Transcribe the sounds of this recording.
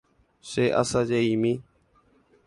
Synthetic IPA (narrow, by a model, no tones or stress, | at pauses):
seːʔə̰sãːd͡ʒeiːmĩː